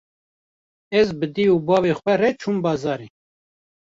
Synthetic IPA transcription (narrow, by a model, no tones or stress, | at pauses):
ɛzbɨd̪iubɑːveːxʷwɛrɛt͡ʃʰumbɑːzɑːɾi